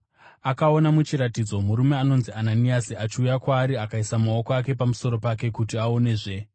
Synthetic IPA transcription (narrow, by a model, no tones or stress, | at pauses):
akao̞namut͡ʃiɾatid͡zo̞muɾume̞ano̞nziananiasiat͡ʃiujakwaːɾiakaisamao̞koak̬e̞pamuso̞ɾo̞pake̞kutiao̞ne̞ːʐe̞